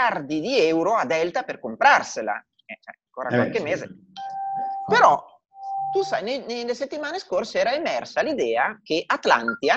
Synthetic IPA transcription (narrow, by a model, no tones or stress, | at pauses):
ard̪id̪iɛwɾoad̪ɛlt̪aperkompɾarsela̰ | ɛt͡ʃɛ̰aŋkoːɾakwallkemːeːzḛ | peɾɔ | t̪usajneneleset̪ːimaːneskorseɛːɾaemɛrsalid̪ɛːakeʔat̪la̰nt̪ia